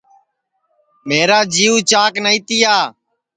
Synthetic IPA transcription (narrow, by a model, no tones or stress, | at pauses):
meːɾaːd͡ʒiːuːt͡ʃaːknəiːt̪ɪːjaː